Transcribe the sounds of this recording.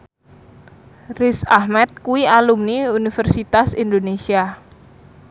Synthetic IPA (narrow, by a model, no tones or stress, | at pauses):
risahmɛt̪̚kuwialumniunifɛrsit̪asind̪onesia